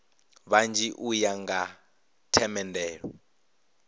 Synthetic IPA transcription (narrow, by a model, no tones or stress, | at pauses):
βand͡ʒiʔujaŋɡa | tʰɛmɛndɛːɺɔ